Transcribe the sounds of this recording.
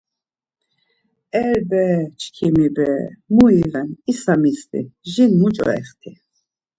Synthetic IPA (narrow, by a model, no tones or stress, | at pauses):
ɛɾbɛt͡ʃʰkʰimibɛ̰muivɛnisamist̪ʼḭʒinmut͡ʃʼɔ̰ɛ̰χt̪ʰi